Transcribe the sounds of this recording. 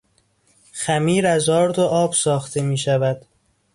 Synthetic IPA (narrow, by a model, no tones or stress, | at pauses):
xæmiːɾæzɒːɾd̪oʔɒːb̥sɒːxt̪ʰe̞miːʃævæd̪̥